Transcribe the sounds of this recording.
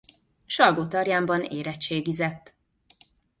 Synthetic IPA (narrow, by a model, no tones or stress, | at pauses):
ʃɒlɡoːt̪ɒɾjaːmbɒneːɾɛt͡ʃt͡ʃːeːɡizɛt̪ː